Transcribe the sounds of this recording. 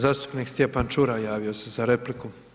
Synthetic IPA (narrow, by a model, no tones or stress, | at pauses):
zaːst̪u̥pniːkst̪jepant͡ʃuɾajaːʋio̞se̞zaɾe̞pliku